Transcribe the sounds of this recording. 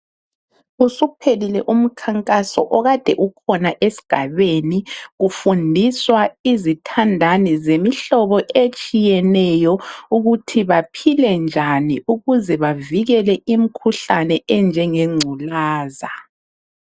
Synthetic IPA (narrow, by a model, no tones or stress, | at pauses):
usupʰelilɛʔum̩kʰaŋkʼasɔʔɔɣad̥ʱɛʔukʰɔnaʔesi̥ɡ̥ʱaβeniɣufundʱiswaizitʰandʱanizemiɬɔβɔʔet͡ʃʼijɛnɛjɔuɣutʰiβapʰilɛnd͡ʒʱaniuɣuzɛβaviɣɛlɛʔim̩kʰuɬanɛɛnd͡ʒʱɛŋeŋ͡ǀʱulaːza